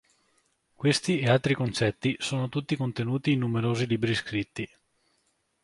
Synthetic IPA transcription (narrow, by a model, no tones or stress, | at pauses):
kwest̪iealt̪ɾikont͡ʃɛt̪ːisoːnot̪ut̪ːikont̪enuːt̪iːnːumeɾoːziliːbɾiskɾit̪ːi